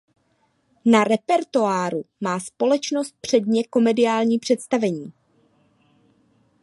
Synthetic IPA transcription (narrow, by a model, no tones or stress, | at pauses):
naɾɛpɛɾt̪oaːɾumaːspo̞lɛt͡ʃno̞st̪̚pr̝̥ɛdɲɛko̞mɛdɪjaːlɲiːpr̝̥ɛt̪st̪avɛɲiː